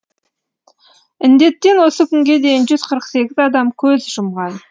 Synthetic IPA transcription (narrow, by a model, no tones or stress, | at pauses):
ɪnd̪e̞t̪ːe̞nwo̞səkʲʰʏŋɡʲe̞d̪e̞jɪnʒʏzqʰəɾəqse̞ɡʲɪzɑd̪ɑmkʲʰɵzʒʊmʁɑn